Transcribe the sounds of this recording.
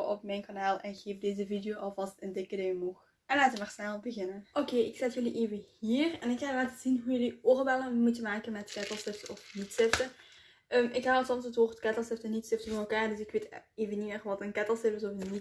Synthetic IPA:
ʔɔpmɛjnkanaːlˠɛnɣeːfdeːzəvidejoːʔɑlˠvɑstəndɪkədejəmux | ɛnlaːtəmaːrsnɛlˠbəɣɪnənʔokeːɪksɛtjɵliʔeːvəhiːrɛnɪkːaːlaːtəzinɦujɵlioːrbɛləmutəmaːkənmɛtkɛtəlˠsɪftɔfnitsɪftə | ʔəːmɪkɦawətsɔmsətʋoːrtkɛtəlˠsɪftənitsɪftəvoːmɛlˠkaːrdɵsɪkʋeːteːvəniɛχʋɑtənkɛtəlˠsɪpɪsɔfni

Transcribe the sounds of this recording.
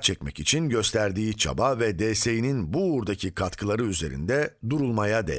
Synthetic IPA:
t͡ʃʰɛc̚mɛcit͡ʃʰinɟø̞st̪ʰæɾd̪iːt͡ʃʰa̰bavɛd̪ɛːse̞jininbuːɾd̪acʰikʰat̪kʰɯlˠaɾɯyze̞ɾḭnd̪ɛd̪uɾulˠmajad̪ḛ

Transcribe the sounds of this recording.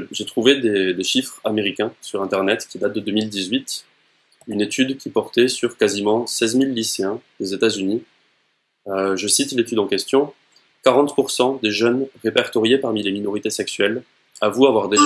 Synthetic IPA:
ʒet̪χuved̪ed̪eʃifχameʁikʲɛ̃syʁɛ̃t̪ɛʁnɛt̪kʲid̪at̪̚d̪əd̪əmild̪izɥit̪ | ynet̪yd̪kʲipɔʁt̪ɛsyʁkazimɑ̃sɛzmilːiseɛ̃d̪̥ezet̪azyni | øʒəsit̪let̪yd̪ɑ̃kʲɛst̪jɔ̃ | kaʁɑ̃t̪puʁsɑ̃d̪eʒœnʁepɛʁt̪ɔʁjepaʁmileminɔʁit̪esɛksɥɛl | avuavwaʁd̪e

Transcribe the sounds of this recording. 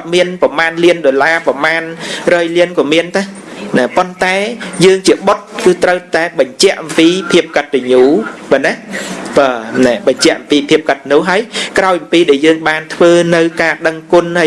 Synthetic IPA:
kt̪̚miənpɑmaːnliənɗolaːpɑmaːnrɔːjliənkɔmiənt̪a | nɛpont̪aɛjəːŋt͡ɕiəɓot̪̚kɨːt̪rəwt̪aɛɓɑɲt͡ɕɛ̆əʔɑmpiːpʰiəp̚kət̪̚teɲuːɓaːnɛɓəːnɛɓɑɲt͡ɕɛ̆əʔɑmpiːpʰiəp̚kət̪̚nʊ̆əɦaəjkraɔjʔɑmpiːɗaɛjəːŋɓaːnt̪ʰʋəːnɨwkaːɗəŋkʊ̆nha

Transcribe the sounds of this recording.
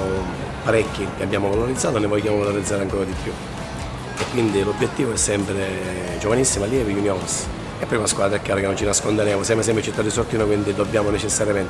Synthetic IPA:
paɾɛkːikeabːjaːmovaloɾid̪zːaːt̪onevɔjːjaːmovaloɾid̪zːaːɾeaŋkɔːɾad̪ipːju | ekːwind̪ilobjet̪ːiːvoɛsːɛmpɾe | d͡ʒovanisːimaljɛːvijunjɔns | ɛpːɾimaskwaːd̪ɾɛkːaːɾakenːont͡ʃinaskond̪eɾɛːmosjams̬ɛmpɾet͡ʃit̪ːad̪isort̪iːnokwind̪id̪obːjaːmonet͡ʃesːaɾjamɛnt̪

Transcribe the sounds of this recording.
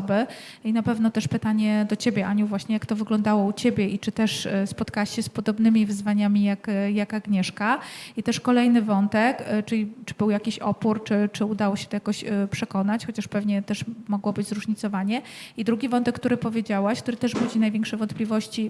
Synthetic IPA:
bɘ | inapɛvnɔt̪ɛʂpɘt̪aɲɛd̪ɔt͡ɕebʲjɛʔaɲuvwaɕɲɛjakt̪ɔvɘɡlɔnd̪awɔut͡ɕebʲjɛʔit͡ʂɘt̪ɛʂspɔt̪kawaɕɕɛspɔd̪ɔbnɘmʲivɘzvaɲamʲijakjakaɡɲɛʂkait̪ɛʂkɔlɛjnɘvɔnt̪ɛkt͡ʂɘlʲit͡ʂɘ̥bɘwjakʲiɕɔpuɾt͡ʂɘt͡ʂɘud̪awɔɕɛ̥t̪ɔjakɔɕpʂɛkɔnat͡ɕxɔt͡ɕaʂpɛvɲɛt̪ɛʂmɔɡwɔbɘd͡ʑʲzɾuʐɲit̪sɔvaɲɛid̪ɾuɡʲivɔnt̪ɛk̚ːt̪uɾɘpɔvʲjed͡ʑawaɕkt̪uɾɘt̪ɛʂbud͡ʑinajvjẽŋkʂɛvɔnt̪plʲivɔɕt͡ɕi

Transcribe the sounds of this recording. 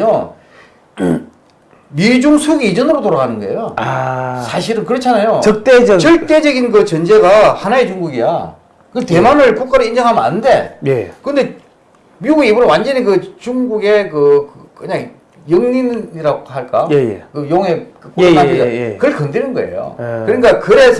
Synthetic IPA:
o | mid͡ʑuŋsʰoɡeid͡ʑʌnɯɾotoɾaɣanɯnɡʌejoasʰaɕ̬ʰiɾɯnkɯɾʌt͡ɕʰanajot͡ɕʌt͈et͡ɕʌɭt͈e̞d͡ʑʌɡinkɯt͡ɕʌnd͡ʑe̞ɡahanaet͡ɕuŋɡuɡija | kɯte̞manɯɭkok͈aɾɯind͡ʑʌŋɦamʌna̰nɯnde̞̰jekɯnde̞ | miɡuɡeibuɾɯnwand͡ʑʌnikɯt͡ɕuŋɡuɡe̞kɯkɯkɯɲaŋ | jʌŋniniɾaɡohaɭk͈ajjkɯjoŋe̞kɯk͈uaidakɯɾɯɭkʌndenɯnɡʌḛjo̰ɯɲik͈akɯɾe̞sʰ

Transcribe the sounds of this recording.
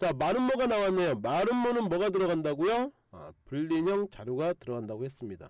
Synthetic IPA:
t͡ɕamaɾɯnmʌɡanawanːejomaɾɯnmonɯnmʌɡatɯɾʌɡandaɡujo | ʌ̰puɭːiɲʌŋt͡ɕaɾjuɡatɯɾʌɡandaɡohes͈ɯmɲida̰

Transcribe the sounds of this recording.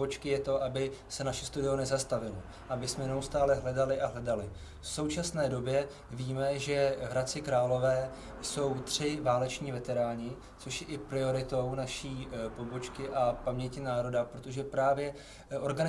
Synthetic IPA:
ot͡ʃkɪjɛt̪o̞ʔabɪsɛnaʃɛst̪udɪonɛzast̪avɪlo | ʔabɪsmɛnɛust̪aːlɛɦlɛdalɪʔaɦlɛdalɪ | fso̞wt͡ʃasnɛːdo̞bjɛ | viːmɛʒɛɦɾat͡sɪkɾaːlo̞vɛː | so̞wt̪r̝̥ɪvaːlɛt͡ʃɲiːvɛt̪ɛɾaːɲɪ | t͡soʃjɛʔɪpɾɪo̞ɾɪt̪o̞wnaʃiːpo̞bo̞t͡ʃkɪʔapamɲɛcɪnaːɾo̞dapɾot̪o̞ʒɛpɾaːvjɛ | ʔo̞ɾɡan

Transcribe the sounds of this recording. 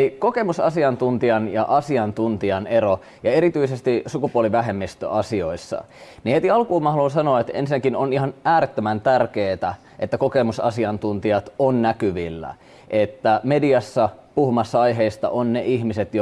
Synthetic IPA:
ikoke̞musɑsiɑnt̪unt̪iɑnjɑʔɑsiɑnt̪unt̪iɑneɾo | jɑe̞ɾit̪yisest̪isukupuoliʋæɦe̞mːist̪ø̰ɑsioisːɑ̰ | nihet̪iɑlkuːmɑhlons̬ɑnoːet̪ḛnsinækinonihɑnʔæːɾet̪ːømænt̪ærkeːt̪æ | ʔet̪ːækokemusɑ̰siɑnt̪unt̪iɑt̪onnækyʋilːæ̰ | ʔet̪ːæmediɑsːɑpuhumɑsːɑɑjɦeist̪ɑ̰ʔonneʔihmiset̪jo

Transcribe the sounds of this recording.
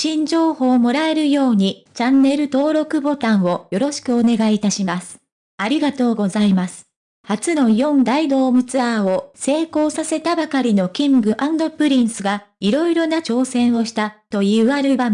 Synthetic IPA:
ɕĩɲd͡ʑo̞ːho̞ːmo̞ɾae̞ɾɯ̟jo̞ːɲ̟it͡ɕãnːe̞ɾɯ̟t̪o̞ːɾo̞kɯ̟bo̞t̪ãɰ̃o̞jo̞ɾo̞ɕi̥kɯ̟o̞ne̞ɡait̪aɕimasɨ̥ | aɾʲiɡat̪o̞ːɡo̞zaimasɨ̥ | hat͡sɨno̞jõ̞nd̪aid̪o̞ːmɯ̟t͡sɨaːo̞se̞ːko̞ːsase̞t̪abakaɾʲino̞kʲĩŋɡɯ̟ʔãnd̪o̞pɯ̟ɾʲĩɰ̃sɨɡaiɾo̞iɾo̞nat͡ɕo̞ːsẽ̞ɰ̃o̞ɕi̥t̪at̪o̞jɯaɾɯ̟ba

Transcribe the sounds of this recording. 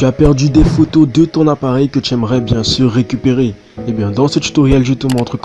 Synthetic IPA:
t̪yapɛʁd̪yd̪efot̪od̪ət̪ɔ̃napaʁɛjkət̪yɛmʁɛbjɛ̃syʁːekʲypeʁe | ebjɛ̃d̪ɑ̃sət̪y̥t̪ɔʁjɛlʒyt̪əmɑ̃ɑ̃t̪χək

